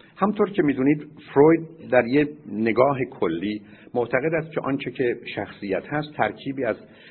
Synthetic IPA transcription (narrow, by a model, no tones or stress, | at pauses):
hæmnt̪ʰoɾcʰemiːd̪uːniːd̪fɾojd̪̚d̪æɾjene̞ɡɒːɦe̞kʰolːiː | moʔt̪ʰæɣe̞d̪æst̪̚cʰe̞ʔɒnt͡ʃʰecʰe̞ʃæxsijæt̪hæst̪ʰːæɾcʰiːbiːæz